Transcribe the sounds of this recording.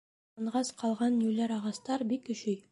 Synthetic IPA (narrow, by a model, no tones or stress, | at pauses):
ɤɴʁɑsqʰɑlˠʁɑnjʉlæɾɑʁɑst̪ɑɾbikɵ̆ɕɵj